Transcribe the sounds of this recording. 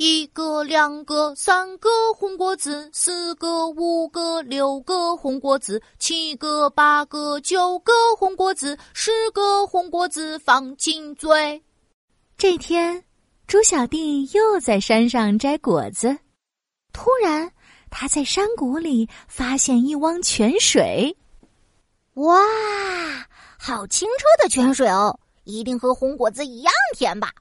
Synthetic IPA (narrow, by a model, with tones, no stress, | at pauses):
i˧˥kɤ˧ljɑ˨˩ŋkɤ˧sa˥nkɤ˥˧xʊ˧˥ŋkwɔ˧˥t͡sɹ̩˧˩sɹ̩˥˩kɤ˧u˨˩kɤ˥˩ljo˨˩ʊkɤ˥˧xʊ˧˥ŋkwɔ˧˥t͡sɹ̩˧˩˦ | t͡ɕʰi˥kɤ˥˧pa˥kɤ˥t͡ɕjo˨˩ʊkɤ˥˧xʊ˧˥ŋkwɔ˧˥t͡sɹ̩˨˧˩ʂɻ̩˥˩kɤ˥˧xʊ˧˥ŋkwɔ˧˥t͡sɹ̩˧˩fɑ˧˥ŋt͡ɕi˥˧˩nt͡swe˥˩ɪ | ʈ͡ʂɤ˥˩t̪ʰjɛ˥n | ʈ͡ʂu˥ɕjɑ˨˩ʊt̪i˥˧ŋjo˥˧ʊt͡sa˥˩ɪʂa˥nʂɑ˥˧ŋʈ͡ʂa˥ɪkwɔ̰˨˩d͡zɨ˦ | t̪ʰu˥ɻa˧˥n | t̪ʰa˥t͡sa˥˩ɪʂa˥nku˧˥li˨˩˦fa˥ɕjɛ˥˧ni˥˩wɑ˥ŋt͡ɕʰɥɛ˧˥nʂwḛ˨˩˦ɪ | wa˥ | xɑ˨˩ʊt͡ɕʰi˥ŋʈ͡ʂʰu˥d̪ə˨t͡ɕʰɥɛ˧˥nʂwe˨˩ɪo˧ʊ | i˧˥t̪i˥˩ŋxɤ˧˥xʊ˧˥ŋkwɔ˨˩d͡z̩˧i˧˥jɑ˥˩ŋt̪ʰjɛ˧˥nbɐ̰˨˩